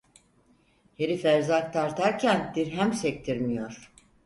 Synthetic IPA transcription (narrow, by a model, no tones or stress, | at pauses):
he̞ɾifæɾzak̚t̪ʰaɾt̪ʰaɾcʰænd̪iɾɦæmsɛc̚t̪ʰiɾmijoɾ̥